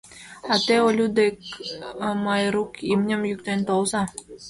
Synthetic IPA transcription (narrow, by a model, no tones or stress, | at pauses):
at̪eolʲud̪ek | majɾukimnʲɘmjykt̪ent̪owzɑ